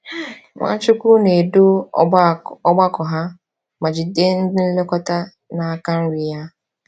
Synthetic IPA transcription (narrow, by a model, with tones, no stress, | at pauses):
ŋʷʔa̰˦t͡ʃʊ˦kʷu˦ne˨do˦ | ɔ˦ɡ͡ba˦kɔ˨ɦa˦ | ma˨d͡ʒi˨de˦n̩˦dɪ˦n̩˦le˦kɔ˦ta˦ | na˨a˦˨ka˦n̩˦ɾi˨ja˦